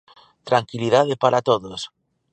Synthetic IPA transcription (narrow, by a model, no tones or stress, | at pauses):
t̪ɾaŋkilið̞aðepaɾat̪oðos